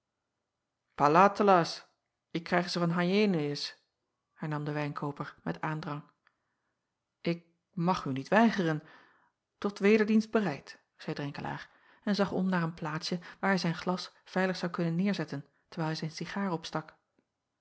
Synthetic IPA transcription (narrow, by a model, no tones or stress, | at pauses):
palaːtəlas | ɪkːrɛjχzəvɑnɦajejnɪs | hɛɹnɑmdəʋɛjnkʰowpəɹmɛ̰taːndrɑŋ | ʔɪk̚ | mɑχynitʋɛjχərən | tɔtʋeːdəɹdinsd̚bərɛjt | z̥ɛjdrɛŋkəlʔa̰ːɹ | ɛnzɑχɔ̰mnaːɹənplaːtsjəʋaːɹɦɛjzɛjnχlɑsfɛjləχsɑwkɵnənːɪːɹzɛtən | təɹɛjlˠɦɛjzɛjnsiχaːɹɔpstɑk